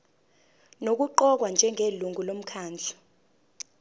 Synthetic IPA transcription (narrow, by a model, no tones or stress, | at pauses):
nok̬uǃɔk̬wand͡ʒʱɛŋʱeluŋʱulom̩kʰaːnd͡ɮʱḁ